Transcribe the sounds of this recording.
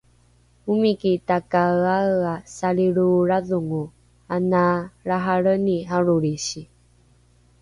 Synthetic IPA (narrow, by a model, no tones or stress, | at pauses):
umikit̪akaaasaɾiɾuɾaðuŋu | anaɾaɦaɾəniɦaɾoɾiɕi